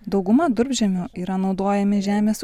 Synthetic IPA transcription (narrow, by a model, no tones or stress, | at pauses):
d̪ɒʊɡʊmɐd̪ʊɾʲbʲʒʲɛmʲoːiːɾɐnɒʊd̪oːjɛmʲɪʒʲæːmʲeːs